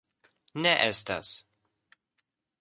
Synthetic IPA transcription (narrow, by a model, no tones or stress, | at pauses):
nɛʔɛst̪a̰s